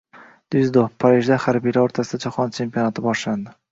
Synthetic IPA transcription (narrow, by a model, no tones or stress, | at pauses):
d̪̥ʊzd̪ofpʰaɾiʒd̪ahaɾbijlaoɾt̪ʰasɪd̪ad͡ʒaχɒnt͡ʃʰe̞mpijonat̪ʰɪbɒʃland̪ɪ